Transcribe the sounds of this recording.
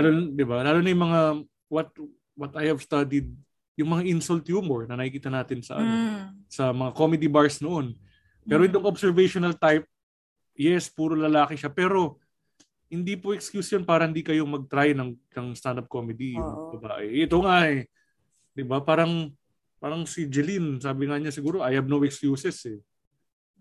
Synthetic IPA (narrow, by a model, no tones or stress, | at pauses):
lalond̪ɪbalaːlonɐjʊŋmɐŋa | wɐt̪̚ | wɐt̪ajhɐvst̪ad̪ɪd̪̚ | jʊŋmɐŋaʔɪnsʊlt̪juːmoɹnɐnɐkhikiːt̪ɐnaːt̪ɪnsɐ̰ʔɐ̰nosɐmɐŋako̞mɛd̪ibaɹsnoʔo̞n | pɛːɾoʔɪt̪o̞ŋʔobsɛɹvɛjʃonɐlt̪ajp̚ | jɛspuːɾolɐlaːkɪʃapɛːɾo̞ | hɪnd̪ipoʔɛkskjuːsjonpaːɾɐhɪnd̪iːkɐjo̞mɐɡ̚t̪ɾajnɐŋnɐŋst̪and̪ɐp̚komɛd̪ijʊŋmbɐba̰ːʔɛʔɛt̪o̞ŋaʔɛ | d̪ɪbapaːɾɐŋ | paːɾɐŋsid͡ʒɛlinsaːbɪŋɐɲasɪɡuːɾo̞ʔɐjhɐb̚nowɛkskjuːsɛsɛ